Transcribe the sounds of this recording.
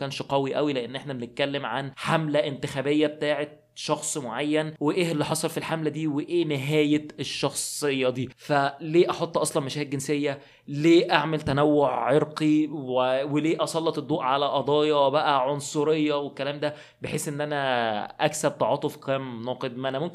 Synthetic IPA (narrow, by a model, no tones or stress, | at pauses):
kæːnʃqæwiʔæwileʔenːʔeħnæbenet̪̚kælːemʕanħamlæʔɪnt̪exæːbejːæbet̪aːʕet̪ | ʃɑxsˤmoʕajːænweʔeːelːiħɑsˤɑlfilħamlæd̪iːweʔeːneɦæːjeeʃːɑxsˤejːɑd̪iːfæleːʔɑħot̪ˤːʔɑsˤlɑnmæʃæːhet̪̚ɡensejːæ | leːʔaʕmelt̪ænæwːoʕːeɾqiweweleːʔɑsˤɑlːɑt̪ed̪ˤːuːʔʕalæʔɑd̪ˤɑːjɑwbæʔæʕonsˤoɾejːɑwekːælæːmd̪æ | beħeːsʔenːʔænæʔæksæb̚t̪ɑʕɑːt̪ˤofqæːmnɑːqed̪̚mæʔænæmomk